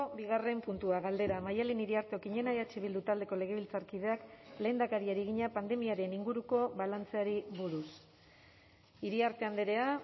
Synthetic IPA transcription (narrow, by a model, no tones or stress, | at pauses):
obiɣ̞are̞mpunt̪uaɣald̪e̞ɾamajaliniɾiaɾt̪e̞okiɲe̞naeat͡ʃiβild̪ut̪ald̪e̞ko̞le̞ɣ̞e̞β̞ilt͡saɾkið̞e̞akle̞ːnd̪akaɾiaɾiɣiɲapand̪e̞miaɾe̞niŋɡuɾuko̞βalant͡se̞aɾiβuɾus | iɾiaɾt̪e̞and̪eɾe̞a